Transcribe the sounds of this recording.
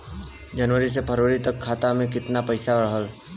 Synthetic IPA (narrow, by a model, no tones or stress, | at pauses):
d͡ʒənʋəɾis̬epʰəɾoɾit̪əkʰːaːt̪amẽk̬ɪt̪napəɪsaɾəɦəl